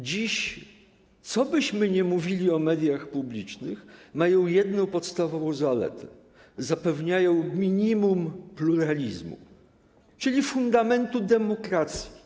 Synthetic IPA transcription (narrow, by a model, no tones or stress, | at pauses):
d͡ʑiɕ | t̪sɔbɘɕmɘɲɛmuvʲilʲiɔmɛd̪ʲjaxpublʲit͡ʂnɘxmajɔ̃w̃jɛd̪nɔ̃wpɔt̪st̪avɔvɔ̃w̃zalɛ̰t̪ɛ | zapɛvɲajɔ̃w̃mʲiɲimumpluɾalʲizmṵ | t͡ʂɘlʲifund̪amɛnt̪ud̪ɛmɔkɾat̪sʲji